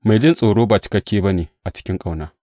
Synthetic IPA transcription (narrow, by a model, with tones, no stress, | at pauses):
ma˨jd͡ʒɪ˦nsʼoː˨ɽoː˦ba˨t͡ʃɪ̥˨kɐ˦kʲːeː˦bɐ˦neː˨ʔa˨t͡ʃɪ̥˦kʲɪ˦ŋkʼa˨wnaː˦